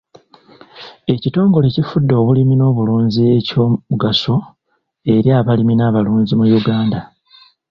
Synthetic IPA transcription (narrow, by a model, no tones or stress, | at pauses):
e̞cito̞ːŋɡo̞le̞cifudːo̞ːβulimino̞ːβuluːɲzie̞coːuɡaso̞ | e̞ɾjaːβaliminaːβaluːɲzimujuɡaːnda